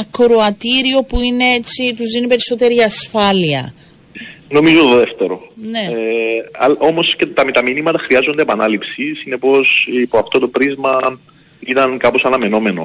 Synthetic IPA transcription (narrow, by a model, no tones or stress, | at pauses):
ɐkɾoɐt̪iɾio̞puine̞e̞t͡sit̪uzðinipe̞ɾiso̞t̪e̞ɾiɐsfɐliɐ̰ | no̞mizo̞t̪oðeft̪e̞ɾo̞ne̞eɐ̰lʔo̞mo̞sce̞t̪ɐmit̪ɐminimɐt̪ɐxɾiɐzo̞nd̪eːpɐnɐlipsisine̞po̞sipoɐft̪o̞t̪o̞pɾizmɐ | it̪ɐnkɐpo̞sɐnɐme̞no̞me̞no̰